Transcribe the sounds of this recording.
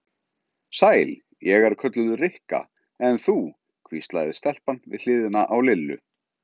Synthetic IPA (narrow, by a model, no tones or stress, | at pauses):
saːjl | jɛɣaɾ̥kʰœt̪lʏðʏrɪhka̰ | ɛnθu | kʰvist̪la̰jðɪst̪ɛl̥panvɪ̰ðl̥ɪːðɪnaʔawlɪlːʏ̰